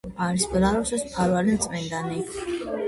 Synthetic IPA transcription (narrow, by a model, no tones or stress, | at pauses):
aɾisbɾaɾɔsɛspʰaɾwalint̪sʼmɛnd̪ani